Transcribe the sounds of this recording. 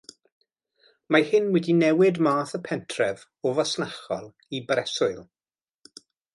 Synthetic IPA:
mahɪnwɛdinɛwɪdmaːθəpʰɛntʰrɛv | ɔvɔsnaχɔ̰lˠ | ibɾɛsʊɨlˠ

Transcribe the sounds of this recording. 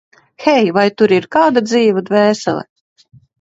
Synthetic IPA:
xʲɛjvajt̪uɾiɾkaːd̪ad̪ziːvad̪vɛːsɛ̰lˠɛ̰

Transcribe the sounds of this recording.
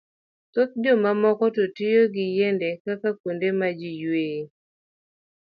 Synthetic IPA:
t̪ʊt̪̚d͡ʒomamɔkɔtotɪjoɡɪjendekakakondemad͡ʒijweː

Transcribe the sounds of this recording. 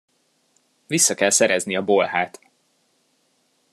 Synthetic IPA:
visːɒkɛlsɛɾɛzniɒbo̞lhaːt̪

